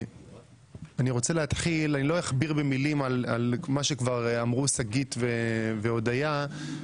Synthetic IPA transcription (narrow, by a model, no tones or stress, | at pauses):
aniʁo̞t͡seleat̪χilanilo̞jaχbiʁbemilimalalmaʃekvaʁamʁusaɡit̪veveod̪aja